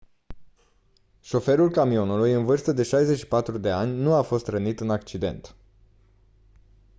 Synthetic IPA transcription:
ʃo̞fe̞ɾulkamio̞nulujɨnvɨrst̪əd̪e̞ʃajze̞ʃi̥pat̪ɾud̪e̞anʲnuafo̞st̪rənit̪ɨnak̚t͡ʃid̪e̞̰nt̪

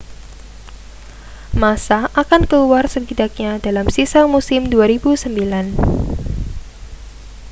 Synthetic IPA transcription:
masaʔakankəluarsəbidak̚ɲadalamsisamusɪmduaɾibusəmbilan

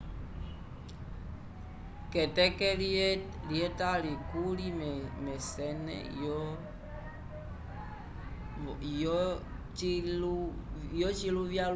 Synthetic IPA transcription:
kɛtɛkɛl | liɛtalikulimmɛsɛnɛ̰jɔ | j | t͡ʃiujɔt͡ʃiluvja

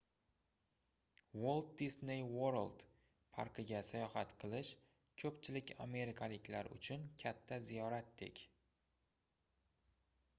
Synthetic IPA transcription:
wolˠd̪̚d̪isnejwoɾlˠd̪ | pʰa̰ɾqʰɨɡʲasajɒhat̪qʰɨlˠɪʃ | kʰɵpt͡ʃʰɪlɪkʲa̰me̞ɾɪkʰalɪkʲlaɾʊ̰t͡ʃʰʊnkʲʰat̪ʰːazijɒɾat̪̚d̪e̞̰kʲ

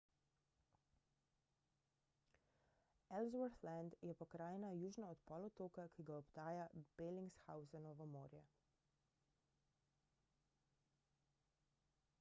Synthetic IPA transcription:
ɛlzwaɾθland̪jɛpɔkɾaːjɛnajuːʒnaɔt̪pɔːlɔt̪oːkakiɡaɔbt̪aːjab̥eliŋɡsxawzanɔʋɔmo̰ːɾjɛ̰

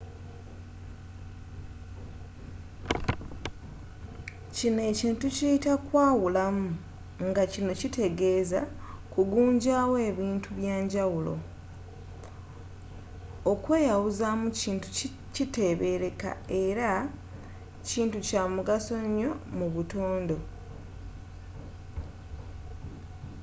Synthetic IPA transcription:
cine̞ːciːntucijitakwaːwulamu | ŋɡacino̞cite̞ɡe̞ːza | kuɡuːɲɟaːwe̞ːβiːntuβjaːɲɟawulo̞̰ | okwe̞ːjawuzamuciːntu̥ | cite̞βe̞ɾe̞ka̰e̞ɾa | ciːntucaːmuɡaso̞ɲːo̞muβuto̞ːndo̞

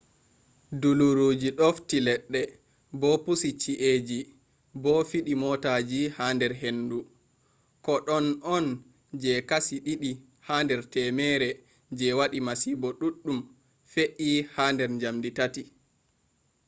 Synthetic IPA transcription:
duluɾud͡ʒiɗoftilɛɗːɛ | bɔpusit͡ʃiʔed͡ʒi | bɔfiɗimɔtad͡ʒihandɛɾɦendu | kɔɗɔnɔn | d͡ʒɛkasiɗiɗi | handɛɾtɛmɛːɾɛ | d͡ʒɛwaɗimasiːbɔɗuɗːum | feʔihaːndɛɾɲd͡ʒamditati

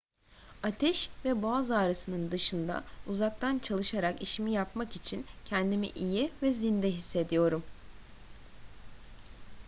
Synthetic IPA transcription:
at̪ʰɛʃvɛboazaːɾɯsɯnɯnd̪ɯʃɯnd̪a̰uzak̚t̪ʰant͡ʃʰalˠɯʃaɾakiʃimijapmakit͡ʃʰincʰɛnd̪imḭʔijivɛzind̪ɛɦisːe̞d̪ijo̞ɾum

